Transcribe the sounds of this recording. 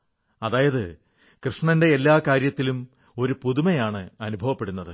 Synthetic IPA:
ɐðaːjɐðɨ | krɨʂɳɐnde̞ːlːaːkaːɾjɐt̪ːilum | o̞ɾupuðumɐjaːɳɨɐnubʱɐʋɐpːe̞ɽunːɐðɨ

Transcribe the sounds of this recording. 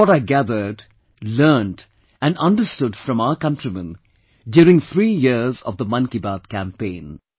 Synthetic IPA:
ɔɾaɪɡæðə˞ɖ | lɜːnʈ | æ̃nʌ̃nɖəstʊdfɾʌ̃maʊəkʌ̃ntɹimə̃n | djʊːɾɪ̃ŋθɾiːjɪzɔ̰vd̪əmʌ̃nkibad̪̚kæ̃mpẽɪ̃n

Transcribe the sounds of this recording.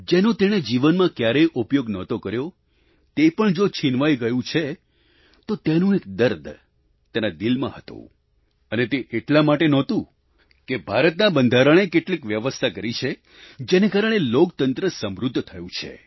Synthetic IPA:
d͡ʒenõt̪eɽ̃ed͡ʒiʋənmãkjaɾejʔupjoɡnɔt̪okəɾjo | t̪epəɳd͡ʒot͡ʃʰinʋajɡəjũt͡ʃʰe | t̪ot̪enũek̚d̪əɾd̪ʱ | t̪enad̪ilmã̰ɦət̪õ̰ | ənet̪eʔeʈlamaʈenɔt̪ũ | kebʱaɾət̪nabənd̪ʱaɾəɽ̃ekeʈlikʋjəʋəst̪ʰakəɾit͡ʃʰe | d͡ʒenekaɾəɽ̃elokt̪ənt̪ɾəsəmɾud̪ʱːt̪ʰəjũt͡ʃʰḛ

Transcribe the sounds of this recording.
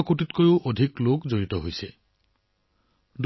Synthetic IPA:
kutitkojʊʔodʱiklokzoɹitɔɦojsɛ | d

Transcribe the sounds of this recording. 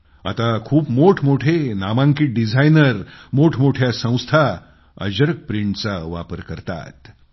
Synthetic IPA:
a̰t̪akʰuːpmoʈʰmoʈʰenamãŋkiʈ̚ɖid͡zʱajnəɾmoʈʰmoʈʰjasə̃w̃st̪ʰa | ə̰d͡ʑəɾək̚pɾiɳʈt͡saʋa̰pəɾkəɾt̪a̰t̪

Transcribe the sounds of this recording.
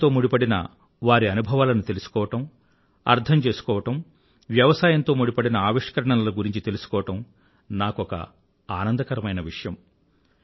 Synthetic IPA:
t̪o̞ːmuɽipɐɽinɐ̰ | ʋaːɾiɐnubʱɐʋaːlɐnut̪e̞lusu̥kɔːʋɐʈɐm | ɐ̰ɾt̪ʰɐɲt͡ʃe̞ːsu̥kɔːʋɐʈɐm | ʋjɐʋɐsaːjɐnt̪o̞ːmuɽipɐɽinɐaːʋiʂkɐɾɐɳɐnɐlɐɡuɾiɲt͡ʃit̪e̞lusu̥kɔːʋɐʈɐm | naːkɔkɐ̰ | aːnɐnd̪ɐkɐɾɐmɐjnɐʋiʂɐjɐm

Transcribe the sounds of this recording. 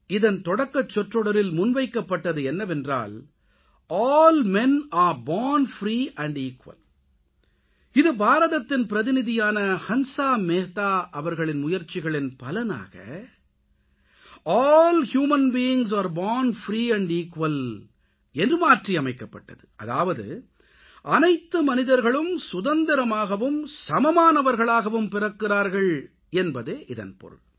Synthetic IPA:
ɪðɐnt̪ɔɽɐkːɐt͡ʃːɔʈrɔɽɐɾɪlmʊnʋɐɪkːɐpːɐʈːɐðɯɛnːɐʋɛndra̰ːl | ʔɔːlmɛnaːɾbɔːnfɾiːʔɐɳɖiːkʋɐ̰l | ɪðɯbaːɾɐðɐt̪ːɪnpɪɾɐðɪnɪðɪjaːnɐhɐnsaːmeːt̪aːʔɐʋɐɾɣɐɭɪnmʊjɐɾt͡ʃːɪɣɐɭɪnpɐlɐna̰ːɣɐ̰ | ʔɔːlhjuːmɐnbiːɪŋs̬aːɾbaːnfɾiːɐɳɖiːkʋɐl | ɛndrɯmaːʈriɐmɐɪkːɐpːɐʈːɐðɯɐ̰ða̰ːʋɐðɯ̰ | ʔɐnɐɪt̪ːɯmɐnɪðɐɾɣɐɭɯmsʊðɐnd̪ɪɾɐmaːɣɐʋɯmsɐmɐmaːnɐʋɐɾɣɐɭaːɣɐʋɯmpɪrɐkːɪraːɾɣɐɭ | ɛnbɐðeːʔɪðɐ̰npɔ̰ɾɯ̰ɭ

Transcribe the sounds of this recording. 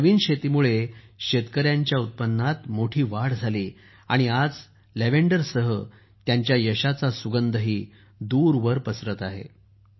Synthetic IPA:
nəʋiːnɕet̪imuɭeɕet̪kəɾjaɲt͡ɕjaut̪̚pənːat̪moʈʰiːʋaɽd͡zʱaliː | a̰ɽ̃iad͡z | leʋeɳɖəɾsəɦə | t̪jaɲt͡ɕjajəɕat͡sasuɡənd̪əɦiː | d̪uːɾʋəɾpəsɾət̪aɦḛ

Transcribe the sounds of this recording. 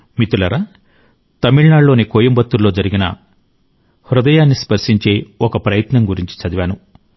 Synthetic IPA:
mit̪ulɐɾaː | t̪ɐmiɭnaːɭːo̞ːnikoːjɐmbɐt̪ːulːo̞ːd͡ʒɐɾiɡinɐ̰ | hɾud̪ɐjaːnːispɐɾʂiɲt͡ʃe̞ːɔkɐpɾɐjɐt̪nɐŋɡuɾiɲt͡ʃi̥t͡ʃɐd̪iʋaːnu

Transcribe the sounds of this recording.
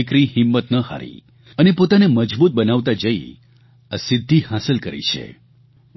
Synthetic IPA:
ɪkɾihɪmːət̪nəha̰ɾḭ | ənepot̪aneməd͡ʒbut̪̚bənaʋt̪ad͡ʒəḭ | asɪd̪ʱːihasəlkəɾḭt͡ʃʰḛ

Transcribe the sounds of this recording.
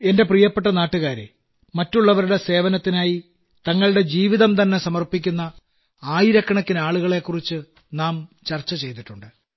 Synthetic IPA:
e̞nde̞prijɐpːe̞ʈ̬ːɐnaːʈːuɣaːɾḛ | mɐtːuɭːɐʋɐɾuɽe̞se̞ːʋɐnɐt̪ːinaːji | t̪ɐŋːɐɭɽe̞d͡ʑiːʋiðɐmt̪ɐnːe̞sɐmɐrpik̬ʲːunːɐ | aːjiɾɐkːɐɳɐkːinaːɭuɣɐɭe̞kːurit͡ɕːɨ | naːmt͡ɕɐrt͡ɕːɐt͡ɕe̞jt̪iʈːuɳɖɨ

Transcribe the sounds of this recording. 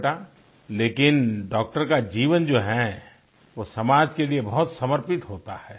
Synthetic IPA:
ʈa | leːkɪnɖɔːk̚ʈəɾkad͡ʒiːʋənd͡ʒoːɦɛ | ʋosɐmaːd͡ʒkeliebɐɦʊt̪sɐməɾpɪt̪ɦoːt̪a̰hɛː

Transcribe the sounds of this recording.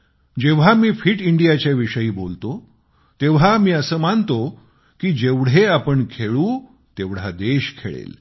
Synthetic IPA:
d͡ʑeʋ̤amiːfiːʈiɳɖijat͡ɕjaʋiʂəjiːbolt̪o | t̪eʋ̤amiːəsəːmant̪o | kiːd͡ʑeʋɽ̤eapəɳkʰeɭũː | t̪eʋɽ̤ad̪eɕkʰḛɭḛl

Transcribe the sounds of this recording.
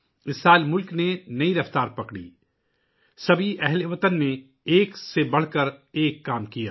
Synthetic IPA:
ɪsːaːlmʊlknenɐiɾɐft̪aːɾpɐkɽḭː | sɐbʱiʔɛɦleʋɐt̪ənːe | eːksebɐɽ̤kəɾeːkːaːmkija̰ː

